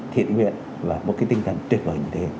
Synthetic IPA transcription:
t̪ʰḭ˧˨ənhwḭ˧˨ən | vaː˨˩mo̰˨˥t̚kaː˨˦jt̪i˧ŋt̪ʰa̰˧˨ŋt̪wət̚vəː˨˩jɲɨ˧t̪ʰe˨˦

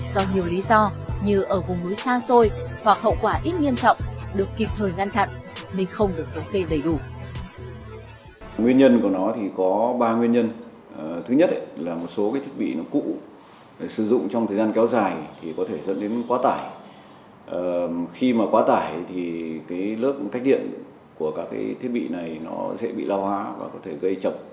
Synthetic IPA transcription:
zɔ˧ɲi˨˩əwli˨˦zɔ˧ɲɨ˧˩ʔəː˧˩vʊ˨˩ŋ͡mmɨ˨˦jsaː˧so˧jhwa˨˩k̚hə̰˧˨wkwaː˧˩ʔi˦˥t̚ŋi˧əmt͡ɕɔ̰˧˨wŋ͡mɗɨ˨˩əkːi˨˩p̚t̪ʰəː˨˩jŋa˧nt͡ɕa̰˧˨n | ne˧nxə˧wŋ͡mɗɨ˨˩ək̚fə˨˦nt̪e˧ɗə˧˩jɗu˧˩ | ŋwi˧ənɲə˧nku˧˩ənɔ˨˦t̪ʰi˨˩kɔ˨˦ɓaː˧ŋwi˧ənɲə˧n˨˩ | t̪ʰɨ˨˦ɲə˦˥t̚laː˨˩mo˨˩t̚so˨˦kaː˨˦t̪ʰi˦˥t̚ɓḭ˧˨nɔ˨˦kṵ˧˥ | ɗe˨˩sɨ˧˩zʊ̰˧˨ŋ͡mt͡ɕɔ˧ŋ͡mt̪ə˨˩jzaː˧nkɛ˨˦wzaː˨˩jt̪ʰi˨˩kɔ˨˦t̪ʰe˧˩zə̰˧˥nɗe˨˦nkwaː˨˦t̪aː˧˩j | ʔə˨˩xi˧maː˨˩kwaː˨˦t̪aː˧˩jt̪ʰi˨˩kaː˨˦jlɨ˦˥ək̚ka˦˥k̚ɗḭ˧˨ən | ku˧˩əkaː˦˥k̚ka̰ː˨˦jt̪ʰi˦˥ət̚ɓḭ˧˨na˨˩jnɔ˨˦sɛ̰˧˥ɓḭ˧˨la˧whwaː˨˦va̰ː˨˩kɔ˨˦t̪ʰe˧˩ɣə˧jt͡ɕə˨˩p̚

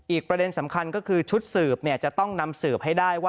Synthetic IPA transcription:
ʔiː˨˩k̚pɾa˧de˧nsa˩˦mkʰa˧nkɔː˥˩kʰɯː˧t͡ɕʰu˦˥t̪̚sɯː˨˩p̚ni˥˩ɐt͡ɕa˨˩t̪ɔ˥˩ŋna˧msɯː˨˩p̚ha˥˩jdaː˥˩jwaː˥

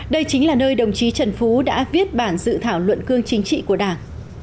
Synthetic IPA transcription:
ɗə˧jt͡ɕï˨˦ŋlaː˨˩nəː˧jɗə˨˩wŋ͡mt͡ɕi˨˦t͡ɕə˨˩nfu˨˦ɗa̰ː˧˥vi˦˥ət̚ɓaː˧˩nzɨ̰˧˨t̪ʰaː˧˩wlwə̰˧˨nkɨ˧əŋt͡ɕï˨˦ŋ̟t͡ɕḭ˧˨ku˧˩əɗaː˧˩ŋ

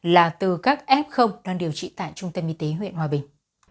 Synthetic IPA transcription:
laː˨˩t̪ɨ˨˩kaː˦˥k̚ʔɛ˦˥p̚xə˧wŋ͡mɗaː˧ŋɗi˨˩əwt͡ɕḭ˧˨t̪a̰ː˧˨jt͡ɕʊ˧ŋ͡mt̪ə˧mʔi˧t̪e˨˦ɦwḭ˧˨ənhwaː˨˩ɓï˨˩ŋ̟

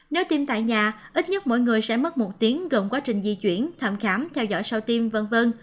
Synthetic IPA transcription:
ne˨˦wt̪i˧mt̪a̰ː˧˨jɲaː˨˩ʔi˦˥t̚ɲə˦˥t̚mo̰˧˨jŋɨ˨˩əjsɛ̰˧˥mə˦˥t̚mo˨˩t̚t̪i˨˦əŋɣə˨˩ŋ͡mkwaː˨˦t͡ɕï˨˩ŋ̟zi˧t͡ɕwḭ˧˩ənt̪ʰə˧˩mxaː˨˦mt̪ʰɛ˧wzɔ̰˧˥˨jsə˧wt̪i˧mvə˧nvə˧n

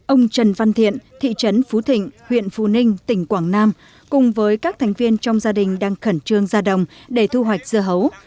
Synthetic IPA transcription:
ʔə˧wŋ͡mt͡ɕə˨˧˩nva˧nt̪ʰḭ˧˨ənt̪ʰḭ˧˨t͡ɕə˨˦nfu˨˦t̪ʰï˧˨ŋ̟hwḭ˧˨ənfṵ˧nï˧ŋ̟t̪ï˧˩ŋ̟kwaː˧˩ŋnaː˧m | kʊ̰˧˨ŋ͡mvəː˨˦jkaː˦˥k̚t̪ʰa˨˦jŋ̟vi˧ənt͡ɕɔ˧wŋ͡mzaː˧ɗï˨˩ŋ̟ɗaː˧ŋxə˧˩nt͡ɕɨ˧əŋzaː˧ɗə̰˧˨wŋ͡mɗe˧˩t̪ʰu˧ɦwa˨˩jk̚z̥ɨ˧əɦə˨˦w

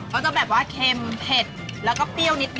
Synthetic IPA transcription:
kʰaː˦˥˩t͡ɕa˧˩bɛː˨˩p̚waː˥˩kʰeː˧mpʰe˨˩t̪̚lɛː˦˥wkɔː˥˩pi˥˩əwni˦˥t̪̚n

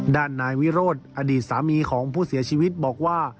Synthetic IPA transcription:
daː˥˩nːaː˧jwi˦˥ɾoː˥˩t̪̚ʔa˧diː˨˩t̪̚saː˩˦miː˧kʰɔː˩˦ŋpʰuː˥˩si˩˦ɐt͡ɕʰiː˧wi˦˥t̪̚bɔː˨˩k̚waː˥˩

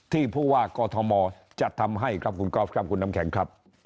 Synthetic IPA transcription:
t̪ʰiː˥˩pʰuː˥˩waː˥˩kɔː˧t̪ʰɔ˧mɔː˧ | t͡ɕa˨˩ʔt̪ʰa˧mɦa˥˩jkʰɾa˦˥p̚kʰu˧nkɔː˦˥˩p̚kɾa˦˥p̚kʰu˧nːa˦˧˥mkʰɛ˩˦ŋkʰɾa˦˥p̚

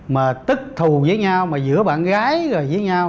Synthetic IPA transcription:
maː˨˩t̪ɨ˦˥k̚t̪ʰu˨˩zəː˨˦jɲa˧wmaː˨˩zɨ̰˧˥əɓa̰ː˧˨nɣaː˨˦jzo˨˩jzəː˨˦jɲaː˧w

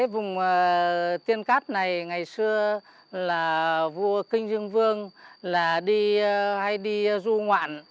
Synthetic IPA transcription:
aː˨˦vʊ˨˩ŋ͡mːt̪i˧ənkaː˦˥t̚na˨˩jŋa˨˩jsɨ˧ə | laː˨˩vu˧əkï˧ŋ̟zɨ˧əŋvɨ˧əŋlaː˨˩ɗi˧ha˧jɗi˧zu˧ŋwa̰ː˧˨n

